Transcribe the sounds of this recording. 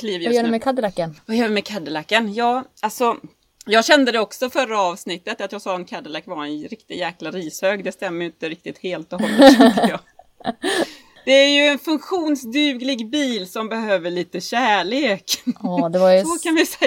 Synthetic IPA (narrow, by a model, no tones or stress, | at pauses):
kʰliːvjjœːɖɛmɛkʰad̪əlakːənvajœːvɛmɛkʰad̪əlakːənjɑːɡalsɔ | jɑːɡɕɛnd̪əd̪ɛɔksɔfœɾːaɑːvsnɪt̪ːət̪at̪jɑːɡsɑːɛnkʰad̪əlakːvaɾɛnɾɪkt̪ɪt̪jæːklaɾiːshøːɡd̪ɛst̪ɛmːəjʏɪnt̪əɾɪk̚t̪ɪt̪heːlt̪ɔɦɔlːəjɑ | d̪̥ɛæɾjɵɛnfɵŋkɧuːnsd̪ʉːɡlɪɡbiːlsɔmbɛhøːvəɭiːt̪əɕæːɭeːkːd̪ɛvasɔkanvɪsɛ